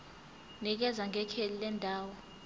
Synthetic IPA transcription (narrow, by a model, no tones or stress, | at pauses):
nik̬ɛzaŋʱɛkʰelilɛndʱaːwɔ